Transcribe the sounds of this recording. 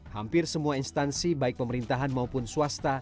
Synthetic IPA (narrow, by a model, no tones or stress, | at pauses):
hampɪrsəmuainst̪ansibaɪk̚pəməɾint̪aɦanmaupʊnsuast̪a